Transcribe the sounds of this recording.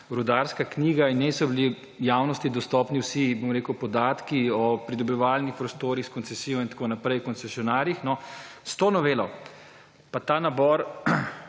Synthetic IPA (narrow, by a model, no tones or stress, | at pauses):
ɾud̪aɾskakniːɡainɛsɔbili | jaːwnɔst̪id̪ɔst̪ɔːpniwsibomɾeːkəwpɔd̪aːt̪kiɔpɾid̪ɔbiʋaːlnixpɾɔst̪oːɾixskɔnsɛsiːjɔint̪ḁkonapɾɛjwkɔnsɛsiɔnaːɾjixnɔst̪onɔʋeːlɔ | pat̪aːnabɔɾ